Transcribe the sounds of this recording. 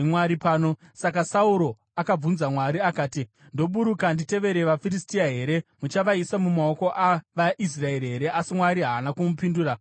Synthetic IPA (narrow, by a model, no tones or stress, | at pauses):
mwaɾipaːno̞sakasauɾo̞ | akab͡vunzamwaɾiakaːti | ndo̞ɓuɾukandite̞ʋe̞ɾe̞ʋafiɾistiaɦe̞ɾe̞mut͡ʃaʋaisamumaoko̞ʔaʋaʔis̬rae̞ɾiɦe̞ɾe̞ʔasimwaɾiɦaːnakumupinduːra